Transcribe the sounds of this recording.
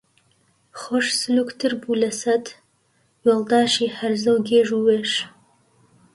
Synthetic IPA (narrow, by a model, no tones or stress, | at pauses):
χoʃsɨluːkt̪ʰɨɾbuːlɐsɐt̪ | weːlˠd̪aːʃiːhɐɾzɐwɡeːʒuːweːʃ